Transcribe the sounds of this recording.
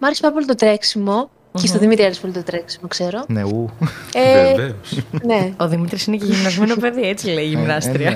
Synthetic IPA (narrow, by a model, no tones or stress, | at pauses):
mɐɾespɐp̬olit̪ot̪ɾe̞ksimo̞ | ist̪oðimit̪ɾiɐɾispolit̪ot̪ɾeksimo̞kse̞ɾo̞neue | neoðimit̪ɾisineceʝimnɐzmenopeðiet͡sileiʝimnɐst̪ɾiɐ